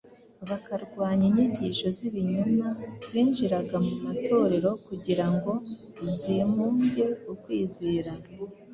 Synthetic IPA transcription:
βakaɾɡwaːɲeɲiɲɟiʃo̞ziβiɲumaz̥iːnd͡ʒiɾaɡamumato̞ɾe̞ɾo̞kuɟiɾaŋɡo̞ | zimuːɲɟe̞ukwiːziːɾa

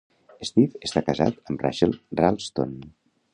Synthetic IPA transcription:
əst̪ifəst̪akəza̰t̪əmra̰ʃəlˠralˠst̪o̰n

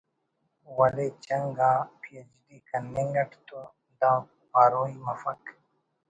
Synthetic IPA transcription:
wɐlet͡ɕɐŋɡãːpʰijɐd͡ʒdikɐnːeŋɡɐʈʰt̪o | d̪ãː | paːɾoːimɐfɐk

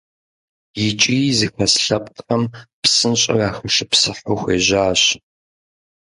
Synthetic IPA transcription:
jɪt͡ʃʼiːzɨxɐsɬɐpʼqʼqʼɐmpsɨnɕʼɪ̰raːxɐʂɪpsɨħoːxʷeːʑaːɕ

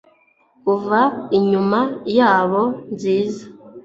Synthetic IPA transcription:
kuvaiɲumajaːβonziːzḁ

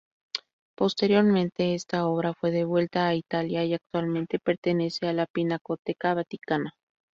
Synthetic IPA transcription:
post̪eɾjoɾmẽnt̪eest̪aoβɾafweðeβwe̞lt̪aːit̪aljaiak̚t̪walmẽnt̪epeɾt̪enesealapinakot̪ekaβat̪ikana

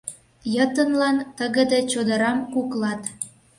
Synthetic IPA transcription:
jət̪ənlɑnt̪əɣə̆d̪et͡ɕod̪ə̆ɾɑmkuklɑt̪

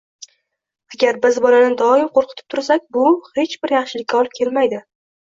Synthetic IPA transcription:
aɡʲaɾbɪzbɒlanɪd̪ɒɪmqʰoɾqʰɨt̪ʰɪ̥p̚t̪ʰʊɾsakʲbʊhe̞t͡ʃbɪɾjɑχʃɪlɪkʲːaɒlɪp̚kʲʰe̞lmajd̪ɪ

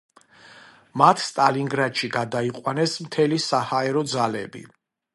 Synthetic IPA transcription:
mat̪ʰst̪ʼaliŋɡɾad̪ʃiɡad̪aiqʼwanɛsmt̪ʰɛlisahaɛɾɔd̪zalɛbḭ

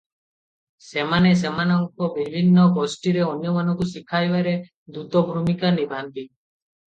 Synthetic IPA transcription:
semanes̬emanɔŋkɔbibʱinːɔɡɔsʈiɾeɔnjɔmanɔŋkusikʰajbaɾe | d̪ut̪ɔbʱɾumikanibʱant̪i

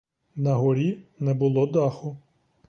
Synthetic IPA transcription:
nɐɦɔɾʲinɛbʊlˠɔd̪ɑxʊ

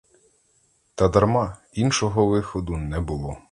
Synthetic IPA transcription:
t̪ɐd̪ɐrmɑ | inʃɔɦɔʋɪxɔd̪ʊnɛbʊlˠɔ

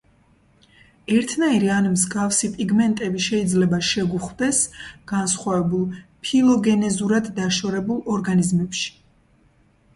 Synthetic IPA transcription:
ɛɾt̪ʰnaiɾianimzɡafsipʼiɡmɛnt̪ʼɛbiʃɛid̪zlɛbaʃɛɡuχd̪ɛsɡ̥ansχwavɛbulˠpʰilˠɔɡɛnɛzuɾad̪ːaʃɔɾɛbulˠɔɾɡanizmɛpʃi̥

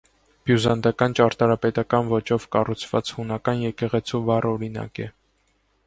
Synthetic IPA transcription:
b̥juzɑnd̪ɑkɑnt͡ʃɑɾt̪ɑɾɑpɛt̪ɑkɑnvɔt͡ʃɔvkɑrut͡sʰv̥ɑ̰t͡shunɑkɑnjɛkɛʁɛt͡sʰuvɑrɔɾinɑ̰kɛ

